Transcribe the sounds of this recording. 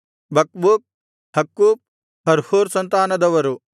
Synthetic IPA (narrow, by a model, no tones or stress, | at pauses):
bɐk̚buːp̚ | hɐkːuːp̚ | hɐɾhuːɾsɐnt̪aːnɐd̪ɐʋɐɾu